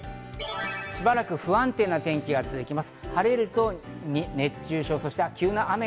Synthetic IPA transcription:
ɕibaɾakɯ̟ɸɯ̟ãnt̪e̞nːat̪ẽ̞ŋkʲiɡat͡sɨzɨkʲimasɨ̥haɾeɾɯ̟t̪o̞ɲine̞t͡ɕɨːɕo̞ːsoɕi̥t̪akʲɨːnaʔame

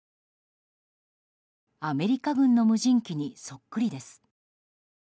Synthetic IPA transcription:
ame̞ɾʲikaɡɯ̟̃nːo̞mɯ̟ʑĩŋkʲiɲ̟iso̞kːɯ̟ɾʲid̪e̞sɨ̥

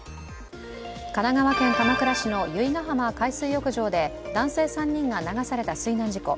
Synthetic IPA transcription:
kanaɡaβakẽ̞ŋk̪anakɯɾaɕino̞jɯ̟iɡaɦamakaisɨːjo̞kɯ̟ʑo̞ːd̪e̞ | d̪ãɰ̃se̞ːsãɲ̟ːĩŋɡanaɡasaɾe̞t̪asɨinãɲd͡ʑiko̞̰

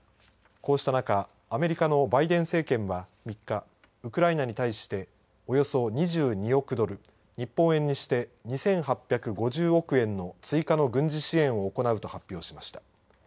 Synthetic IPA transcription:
ko̞ːɕi̥t̪anakaː | me̞ɾʲikano̞baid̪ẽ̞ɰ̃se̞ːkẽ̞ɰ̃βamʲikːa | ɯ̟kɯ̟ɾainaɲ̟it̪aiɕi̥t̪e̞ | o̞jo̞so̞ɲ̟iʑɨːɲ̟io̞kɯ̟d̪o̞ɾɯ̟ | ɲ̟ipːõ̞ɰ̃ẽ̞ɲ̟ːiɕi̥t̪e̞ɲ̟isẽ̞ɰ̃hapʲːjakɯ̟ɡo̞ʑɨːo̞kɯ̟ẽ̞nːo̞t͡sɨikano̞ɡɯ̟̃ɲ̟d͡ʑiɕiẽ̞ɰ̃o̞ːko̞naɯ̟t̪o̞hapʲːjo̞ːɕimaɕi̥t̪ḁ

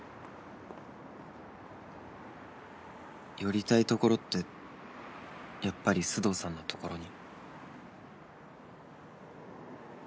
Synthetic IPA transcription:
jo̞ɾʲit̪ait̪o̞ko̞ɾo̞t̪ːe̞ | japːaɾʲisɨd̪o̞ːsãnːo̞t̪o̞̥ko̞ɾo̞ɲ̟i

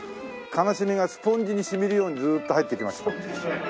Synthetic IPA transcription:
kʰanaɕimʲiɡasɨ̥põ̞ɲ̟d͡ʑiɲ̟iɕimiɾɯ̟jo̞ːɲ̟izɨːt̪ːo̞hait̪ːekʲimasɨ̥

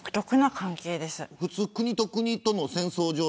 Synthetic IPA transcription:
kɯ̟̥t̪o̞kɯ̟nakãŋke̞ːd̪e̞sɨɸɯ̟t͡sɨːkɯ̟ɲ̟it̪o̞kɯ̟ɲ̟it̪o̞nosẽ̞ɰ̃so̞ːʑoː

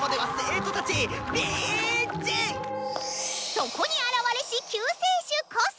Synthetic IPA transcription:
mod̪emasɨeːt̪ot̪at͡ɕimʲi | d͡ʑĩŋ | soko̞ɲ̟iaɾaβaɾeɕikʲʰɯːseːɕɨkos

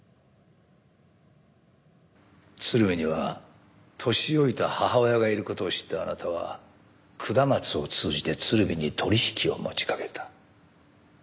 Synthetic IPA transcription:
t͡sɨɾɯ̟bʲiɲiβa | t̪ʰo̞ɕio̞it̪ahahaojaɡaiɾɯ̟ko̞t̪o̞ːɕi̥t̪ːaːnat̪aβ̞a̰ | kʰɯ̟d̪amat͡sɨo̞t͡sɨːʑit̪e̞t͡sɨɾɯ̟bʲiɲ̟it̪ʰo̞ɾʲiçi̥kʲio̞̰mo̞̰t͡ɕi̥kḁke̞t̪ʰḁ

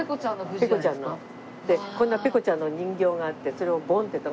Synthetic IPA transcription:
ekot͡ɕãopekot͡ɕãnːo | d̪̥ekõnːape̞ko̞t͡ɕãnːoɲ̟ĩŋɡʲo̞ːɡaat̪ːe̞so̞ɾe̞obõ̞nt̪et̪ːa

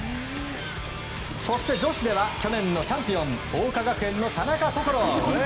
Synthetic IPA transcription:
so̞ɕi̥t̪e̞d͡ʑo̞ɕid̪e̞βakʲo̞nẽ̞nːo̞t͡ɕãmpʲiõ̞ɴ | oːkaɡakɯẽ̞nːo̞t̪anakasokoɾo

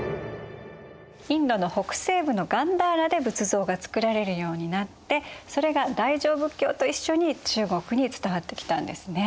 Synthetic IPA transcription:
ĩnd̪o̞no̞ho̞kɯ̟̥se̞ːbɯ̟no̞ɡãnd̪aːɾad̪e̞bɯ̟t͡sɨzo̞ːɡat͡sɨ̥kɯ̟ɾaɾe̞ɾɯ̟jo̞ːɲ̟inat̪ːe̞so̞ɾe̞ɡad̪aiʑo̞ːbɯ̟kʲːo̞̰ːt̪o̞iɕːo̞ɲ̟it͡ɕɨːɡo̞kɯ̟ɲ̟it͡sɨ̥t̪aβat̪ːe̞kʲi̥t̪ã̰nd̪e̞sɨne̞

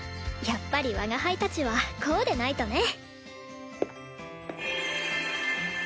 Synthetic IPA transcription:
japːaɾʲiβaɡahait̪at͡ɕiβakʰo̞ːd̪e̞nait̪o̞ne̞

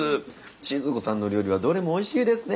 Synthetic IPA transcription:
ɨ | t͡ɕizɨko̞sãnːo̞ɾʲoːɾʲiβad̪o̞ɾe̞moːiɕiːd̪e̞sɨne

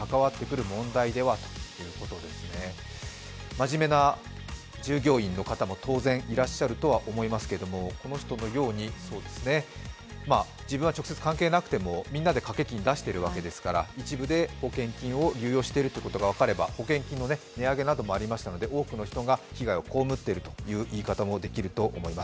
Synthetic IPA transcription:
kakaβat̪ːe̞kɯ̟ɾɯ̟mõ̞nd̪aid̪e̞βat̪o̥jɯ̟ːko̞t̪o̞d̪e̞sɨne̞ | maʑime̞na | d͡ʑɨːɡʲo̞ːĩnːo̞kat̪amo̞t̪ʰo̞ːzẽ̞ɰ̃iɾaɕːaɾɯ̟t̪o̞βaʔomo̞imasɨ̥keɾed̪o̞mo̞ko̞no̞çi̥t̪o̞no̞jo̞ːɲ̟iso̞ːd̪e̞sɨne̞ | maː | d͡ʑibɯ̟̃βat͡ɕo̞kɯ̟set͡sɨ̥kãŋke̞ːnakɯ̟̥t̪e̞mo̞mʲĩnːad̪e̞kake̞kʲĩɲ̟id̪aɕi̥t̪e̞ɾɯ̟βake̞d̪e̞sɨ̥kaɾa̰it͡ɕibɯ̟d̪e̞ho̞kẽ̞ŋkʲĩɰ̃o̞ɾʲɨ̟ːjo̞ːɕi̥t̪e̞iɾɯ̟t̪o̞jiɯ̟kot̪o̞ɡaβakaɾe̞ba̰ho̞kẽ̞ŋkʲĩnːo̞ne̞ne̞aɡe̞nad̪o̞mo̞aɾʲimaɕi̥t̪ano̞d̪e̞o̞ːkɯ̟no̞çi̥t̪o̞ɡaçiɡaioko̞ːmɯ̟t̪ːe̞ɾɯ̟t̪o̞̥jɯ̟ːʔiːkat̪amo̞d̪e̞kʲiɾɯ̟t̪o̞ʔːmo̞imas

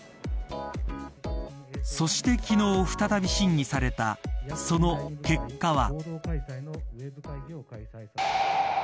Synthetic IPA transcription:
so̞ɕi̥t̪e̞kʲino̞ːɸɯ̥t̪at̪abʲiɕĩɲ̟ːisaɾe̞t̪a̰so̞no̞ke̞kːaβa̰

